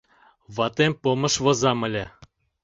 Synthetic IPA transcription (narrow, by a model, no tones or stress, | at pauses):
βɑt̪emʲpŏmɤ̆ʃvɤ̆zɑmɘ̆lʲe